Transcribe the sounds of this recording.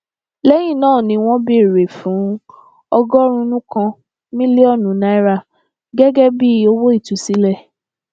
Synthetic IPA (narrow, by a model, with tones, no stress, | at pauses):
lɛ˦j̃ĩ˦˨nãː˦˨nĩ˧w̃ɔ̃˦bi˦˨ɾe˨fũ˨˦ | ɔ˧ɡɔ˦ɾ̃ũ˧˦nũ˦kã˧ | mĩ˦le˦ɔ˦˨nũ˨˦na˧˦i˦ɾa˦˨ | ɡɛ˦ɡɛ˦bi˦o˦wo˦i˦˨tu˨˦si˦lɛ˦˨